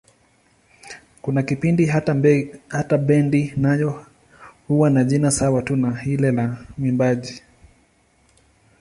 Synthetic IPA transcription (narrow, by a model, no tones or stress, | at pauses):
kunakipindi | hataɓɛndinajɔ | huwanaʄinasawatunahilɛlamwimbaʄi